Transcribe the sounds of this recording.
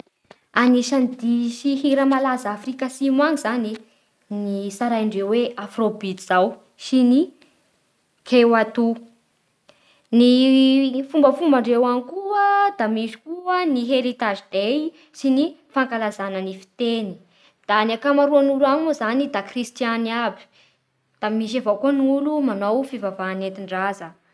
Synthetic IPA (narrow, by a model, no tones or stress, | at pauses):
aniʃanid̪iʃiɦiɾəmalazaːfrikasimaŋizani | nisaɾajaɳɖ͡ʐewweafrobit̪z̥aw | sini | kʰewat̪u | ni | fumbəfumbaɳɖ͡ʐewanikuəd̪̥amiʃi̥kuəniɦeɾit̪aʒid̪ej | sinifaŋkalazanənifi̥t̪eni̥ | d̪̥aniakamaɾuanuluanuzanid̪akrist̪janiabi̥ | d̪̥amiʃ̬avowkonulumanowfivavaːnet̪iɳɖ͡ʐazə